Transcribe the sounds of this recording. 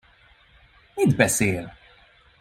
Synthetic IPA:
mid̪bɛseːl

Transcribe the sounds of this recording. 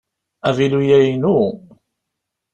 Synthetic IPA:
ævilujæjnu

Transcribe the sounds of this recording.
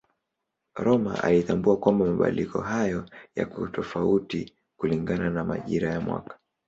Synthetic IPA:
ɾɔma̰ʔa̰litambuakwambamaɓa̰likɔ̰ɦajɔja̰kutɔfauti | kuliŋɡananama̰ʄiɾajamwa̰kḁ

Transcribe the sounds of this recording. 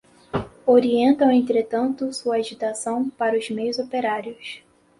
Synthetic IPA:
oɾiẽnt̪ɐ̃w̃ẽnt̪ɾet̪ɐ̃nt̪ʊsuɐaʒit̪asɐ̃w̃paɾɐʊzmejʊzopeɾaɾjʊs

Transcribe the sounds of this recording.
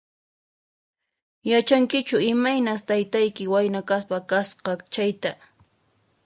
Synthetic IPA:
jat͡ʃaŋkɪt͡ʃʊɪmajnast̪ajt̪ajkɪwajnakaspakasqɑt͡ʃajt̪a

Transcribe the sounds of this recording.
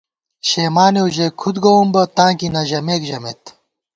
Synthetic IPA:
ɕeːmaːneuʑekʰud̪ɡɐwombɐt̪ãːŋkinɐʑɐmeːkʑɐmḛt̪

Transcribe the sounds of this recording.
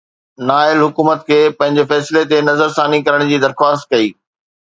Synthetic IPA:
naːɪlɦʊkuːmət̪kʰeːpɐ̃ɦɪ̃ɲd͡ʑefɛːslet̪enɐzəɾsaːnikɐɾəɽ̃d͡ʑiːd̪ɐɾxwaːst̪̚kɐiː

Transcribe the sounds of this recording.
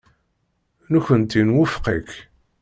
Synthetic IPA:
nuçənt̪inwʊfqik

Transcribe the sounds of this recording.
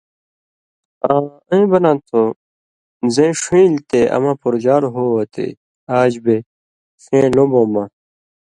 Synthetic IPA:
ãː | əĩbɐnãnt̪ʰo | zẽʂĩːlt̪eʔɐ̰mãpuɾd͡ʑaːɾɦoɐt̪ʰḛ | aːd͡ʑbe | sẽːlõbõːma

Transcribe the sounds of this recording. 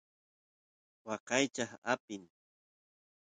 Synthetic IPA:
wɑqɑjt͡ʃaχa̰pɪŋ

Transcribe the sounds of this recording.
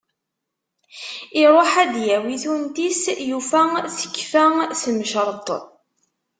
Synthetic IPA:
ɪɾˤoħæd̪jæwiθunt̪isjufæθə̥kːfæsəmʃɾˤt̪ˤ

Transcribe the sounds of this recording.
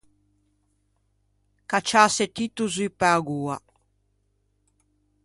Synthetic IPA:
kat͡ʃaset̪it̪uzipaɡuːa

